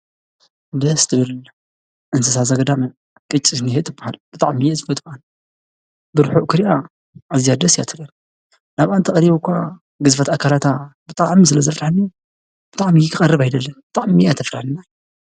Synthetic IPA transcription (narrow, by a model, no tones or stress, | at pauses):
d̪ɐst̪ʰɨβɨl | ʔɨnsɨsazɐɡɐd̪amɐ | kʼɨt͡ʃʼːinihet̪ʰːɨbːaha̰lb̥ɨt̪ʼa̰ʕmijezɨfot̪ʼbʔan | bɨɾħuʔkʰɨɾija | ʔazijad̪ɐsjat̪ʰɨlːɐn | naβʔant̪ʰɐχʼɐɾiβukʰʷa | ɡɨzfɐt̪akʰalat̪abɨt̪ʼaʕmisɨlɐzɐfɾaħɨnːo | b̥ɨt̪ʼaʕmijɪkʰɨχʼɐrːɨβajd̪ɐlːɐnbɨt̪ʼaʕmijat̪ʰɐfɾaħɨnːaj